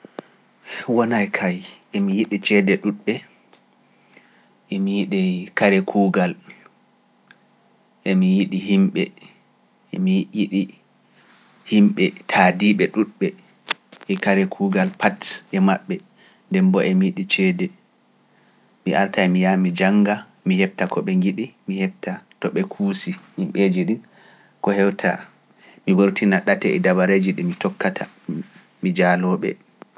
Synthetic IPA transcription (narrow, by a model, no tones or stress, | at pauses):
wɔnajkʰajemijiɗit͡ʃɛdɛɗuɗɓɛ | ʔemijiɗikaɾɛkʰuːɡal | ʔemijiɗiɦimɓɛ | ḛmijiɗi | himɓɛtʰaːdiɓɛɗuɗɓɛ | ɛkaɾɛkʰuɡalpʰatʔɛmaɓːɛ | ndɛmbɔʔɛmiɗit͡ʃɛdɛ | miʔaɾtajmijamid͡ʒaŋɡa | mihɛb̚takɔɓɛŋɡiɗimihɛb̚tatɔɓɛkʰusihimɓeːd͡ʒiɗin | kɔhɛwtʰa̰ | miwoɾtinaɗatɛɛ̰dabaɾed͡ʒiɗimmitɔkːatʰa | mid͡ʒalɔːɓɛ̰